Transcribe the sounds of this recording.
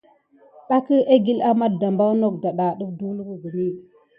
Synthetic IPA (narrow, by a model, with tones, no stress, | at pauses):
ɗa˦kə˦ʔe˦ɡi˦la˦ma˦t̚da˨mba˦wno˦k̚da˨ɗa˨ɗə˦fdu˦lɡu˦ɡə˨mi˦˨